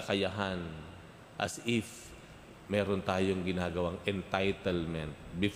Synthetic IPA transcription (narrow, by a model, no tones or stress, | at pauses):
ɐkɐjaɦan | ʔɐ̰sɪf | mɛːɾont̪aːjoŋɡɪnaːɡɐwaŋʔɛnt̪ajt̪ɛlmɛnt̪̚bɪf